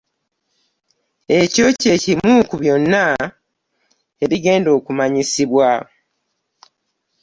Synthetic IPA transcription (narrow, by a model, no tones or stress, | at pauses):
e̞co̞ːce̞ːcimuːkuβjo̞nːa | e̞βiɡe̞ːndo̞ːkumaɲisiβwa